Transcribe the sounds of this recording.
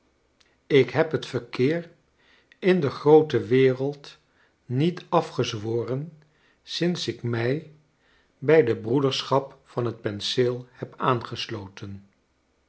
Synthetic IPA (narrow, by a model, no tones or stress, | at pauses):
ɪkɦɛpɦətfəɹkɪːr | ɪndəχrowtəʋɪːrəlˠt | nitɑfχəzʋoːrən | sɪnsɪkmɛj | bɛjdəbrudəɹsχɑpfɑnɦət̚pɛnsɪlˠhɛpaːnχəslowtən